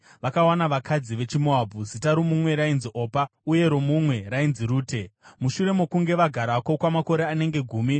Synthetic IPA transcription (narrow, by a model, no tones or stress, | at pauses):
ʋakawanaʋakʰad͡ziʋe̞t͡ʃimoabʱuzitaɾomumwe̞ɾainziʔo̞ːpauje̞ɾomumwe̞rainziɾuːte̞muʃuɾe̞mokuŋɡe̞ʋaɡʱaɾako̞kwamako̞ɾe̞ane̞ŋɡe̞ɡʱuːmi